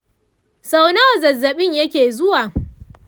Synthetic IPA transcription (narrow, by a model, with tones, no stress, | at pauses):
sa˦wna˦wa˨zɐ˨zːɐ˨ɓɪ˦ɲjɐ˦kʲeː˨zʊ˦waː˨